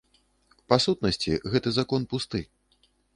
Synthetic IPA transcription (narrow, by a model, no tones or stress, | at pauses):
pasut̪̚nɐsʲt͡sʲiɣɛt̪ɨzakɔnpust̪ɨ